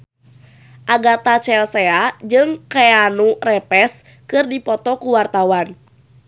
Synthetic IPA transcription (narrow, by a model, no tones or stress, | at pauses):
ʔaɡat̪at͡ʃɛlsɛad͡ʒɨŋkɛanurɛpɛs | kɨrdipɔt̪ɔkuwart̪awan